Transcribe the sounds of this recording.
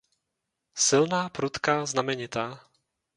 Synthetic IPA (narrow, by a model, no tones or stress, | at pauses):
silnaːpɾut̪kaːznamɛɲit̪aː